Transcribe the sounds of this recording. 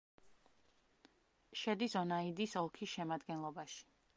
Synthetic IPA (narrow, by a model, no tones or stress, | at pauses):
ʃɛd̪isɔnaid̪isɔlˠkʰisʃɛmad̪ɡɛnlˠɔbaʃi̥